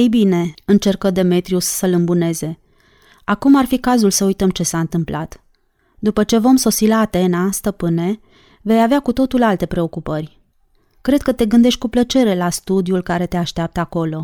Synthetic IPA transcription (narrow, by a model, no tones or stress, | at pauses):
ejbine̞ɨnt͡ʃe̞rkəd̪e̞me̞t̪ɾiussəlɨmbune̞ze̞ | akumarfikazulsəujt̪əmt͡ʃe̞saɨnt̪ɨmplat̪ | d̪upət͡ʃe̞vo̞mso̞silaːt̪e̞nast̪əpɨne̞ | ve̞javeakut̪o̞t̪ulalt̪e̞pɾe̞o̞kupərʲ | kɾe̞d̪̚kət̪e̞ɡɨnd̪e̞ʃt̪̚ʲkuplət͡ʃe̞ɾe̞last̪ud̪iulkaɾe̞t̪e̞aʃt̪eap̚t̪əako̞lo̞